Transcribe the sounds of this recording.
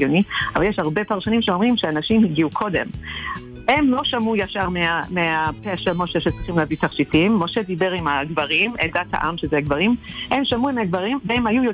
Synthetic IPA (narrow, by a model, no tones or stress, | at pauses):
oniavaljeʃhaʁbe̞paʁʃanimʃeo̞mʁimʃeanaʃimhiɡiukʰo̞de̞m | he̞mlo̞ʃamujaʃaʁmeameapeʃamo̞ʃeʃet͡sʁiχimleavit̪aʁʃitimːo̞ʃe̞d̪ibe̞ʁimaɡvaʁimedat̪ha̰ʔamʃezeaɡvaʁimhe̞mʃamuimeaɡvaʁimvehemhajujo